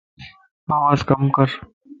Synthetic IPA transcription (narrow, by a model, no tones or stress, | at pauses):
aːwaːzkɐmkɐɾ